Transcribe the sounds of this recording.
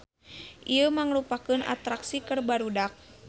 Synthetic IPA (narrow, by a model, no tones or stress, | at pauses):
ʔiəmaŋlupakɨna̰t̪ɾaksikərbaɾudak̚